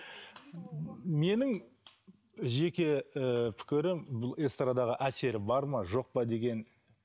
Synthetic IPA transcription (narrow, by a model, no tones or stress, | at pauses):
me̞nɪŋ | ʒe̞kʲeəpʰɪ̥kʲɪɾɪmbʊlˠest̪rad̪ɑʁəʔæse̞ɾɪbɑɾmɑʒo̞q̚pɑd̪e̞ɡʲe̞n